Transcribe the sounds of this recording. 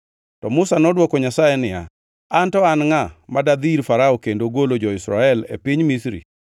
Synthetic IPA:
tɔmʊsanɔdwɔkɔɲasajɛnɪja̰ | antɔanŋamadad̪iɾfaɾaokendoɡolod͡ʒɔɪsɾaɛlḛpiɲmisɾḭ

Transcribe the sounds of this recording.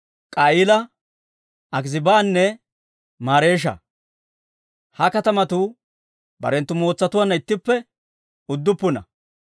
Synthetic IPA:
kʼɐɪlɐ | ɐɡzɪbaːnːɛ | maːɾe̞ːʃ̬ɐ̰ | hɐkɐt̪ɐmɐt̪u | bɐ̰ɾɛnt̪ːʊmo̞ːt͡sːɐt̪ʊwanːɐɪt̪ːɪpːɛ | ʊd̪ːʊpːʊnɐ̰

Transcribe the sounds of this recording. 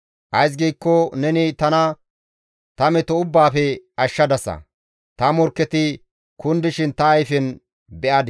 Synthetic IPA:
ʔɐjs̬ɡiːkːɔnɛnɪt̪ɐnɐ | t̪ɐmɛt̪ɔʊbːaːfɛɐʃːɐd̪ɐsɐ̰ | t̪ɐmɔɾkːɛt̪ɪ | kʊnd̪ɪʃɪnt̪ɐːjfɛn | bɛʔɐd̪

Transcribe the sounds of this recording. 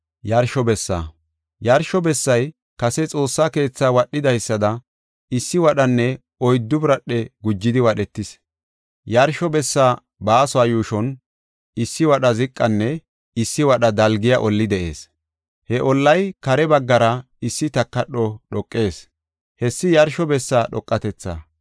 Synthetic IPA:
jɐɾʃɔbɛsːa̰ | jɐɾʃɔbɛsːɐj | kɐsɛt͡sʼo̞ːsːake̞ːt͡sːaːwɐɗːɪd̪ɐjsːɐd̪ɐ | ɪsːɪwɐɗɐnːɛ | ɔjd̪ːʊbɾɐɗːɛɡʊd͡ʒːɪd̪ɪwɐɗɛt̪ːɪs | jɐɾʃɔbɛsːaː | baːsɔaːjuːʃɔn | ɪsːɪwɐɗɐzɪkʼːɐnːɛ | ɪsːɪwɐɗɐd̪ɐlɡɪjaʔɔlːɪd̪ɛʔe̞ːs | hɛʔɔlːɐjkɐɾɛbɐɡːɐɾɐ | ɪsːɪt̪ɐkːɐɗɔɗɔkʼːe̞ːs | hɛsːɪjɐɾʃɔbɛsːaːɗɔkʼːɐt̪ɛt͡sːɐ̰

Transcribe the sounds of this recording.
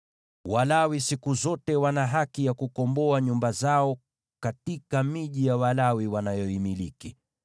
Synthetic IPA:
walawisikuzɔtɛwanaɦakijakukɔmbɔaɲumbazaɔ | katikamiʄijawalawiwanajɔimiliki

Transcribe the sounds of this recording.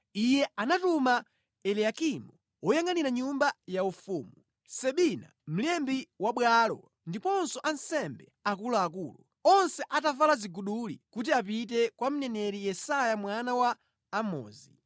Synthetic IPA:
ijɛanatuma | ɛliakimɔ | wɔjaŋaniɾaɲumbajaufuːmu | sɛɓina̰m̩lɛmbiwaɓwalɔ̰ | ndipɔnsɔʔan̩sɛmbɛakulaːk̬uːlṵ | ɔnsɛʔatavalaziɡuɗulikut̬iap̬it̬ɛkwam̩nɛnɛɾijɛsajamwanawaː | mɔ̰ːzi

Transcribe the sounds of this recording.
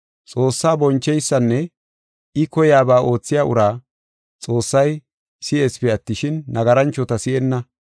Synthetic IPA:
t͡sʼo̞ːsːaːbɔnt͡ʃːɛjsːɐnːɛ | ɪkɔjaːbaːʔo̞ːt͡sːɪjaːʔʊ̰ɾaː | t͡sʼo̞ːsːɐj | sɪʔe̞ːspɛɐt̪ːɪʃɪnːɐɡɐɾɐnt͡ʃːɔt̪ɐsɪʔɛnːɐ

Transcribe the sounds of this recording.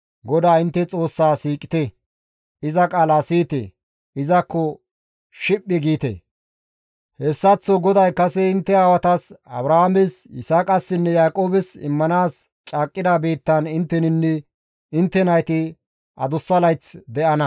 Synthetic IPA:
ɡɔd̪aːɪnt̪ːɛt͡sʼo̞ːsːaːsiːkʼːɪ̥t̪ɛ | ɪzɐkʼaːlasiːt̪ḛ | ɪzɐkːɔ | ʃɪpʼːɪɡiːt̪ḛ | hɛsːɐt͡sːɔɡɔd̪ɐjkɐsɛɪnt̪ːɛaːwɐt̪ɐsɐ̰bɾɐhaːmɪsɪ̰saːkʼɐsːɪnːɛjaːkʼo̞ːbɛsɪ̰mːɐnaːs | t͡ʃʼaːkʼːɪd̪aːbeːt̪ːɐnɪnt̪ːɛnɪnːɛ | ɪnt̪ːɛnɐjt̪ɪ | ʔɐd̪ʊsːɐlɐjt͡sd̪ɛʔɐnɐ

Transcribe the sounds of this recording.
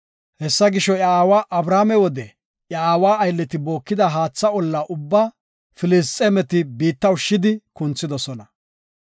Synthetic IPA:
hɛsːɐɡɪʃɔjɐaːwaːʔɐbɾaːmɛwɔd̪ɛ | jɐaːwaːɐjlːɛt̪ɪbo̞ːkːɪd̪ɐɦaːt͡sːɐɔlːaːʔʊbːaː | fɪlɪs̬t̪ʼːɛmɛt̪ɪbiːt̪ːɐwʊʃːɪd̪ɪkʊnt͡sːɪd̪ɔsɔnɐ

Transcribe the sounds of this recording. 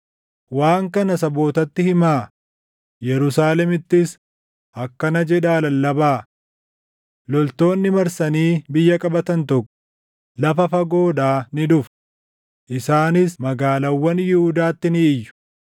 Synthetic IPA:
waːŋkɐnɐsɐbo̞ːt̪ɐt̪ːɪhɪmaː | jɛɾʊsaːlɛmɪt̪ːɪs | ʔɐkːɐnɐd͡ʒɛᶑaːlɐlːɐbaː | lɔlt̪o̞ːnːɪmɐɾsɐniːbɪjːɐkʼɐbɐt̪ɐnt̪ɔkːɔ̥ | lɐfɐfɐɡo̞ːᶑaːnɪd̪ʊf | ʔɪsaːnɪsmɐɡaːlɐwːɐnjɪhʊd̪aːt̪ːɪnɪːjːʊ̥

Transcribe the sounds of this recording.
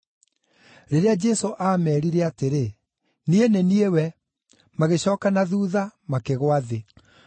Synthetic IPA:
ɾeɾead͡ʒɛsoʔamɛːɾiɾɛateɾe | nieneniewɛ | maɣeɕɔːkanaðuːðamakeɣwaðe

